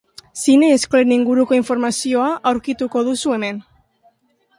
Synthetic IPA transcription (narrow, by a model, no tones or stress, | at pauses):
sineːskoleniŋɡuɾuko̞iɱfo̞ɾmasio̞aʔawɾkit̪uko̞ðusue̞me̞n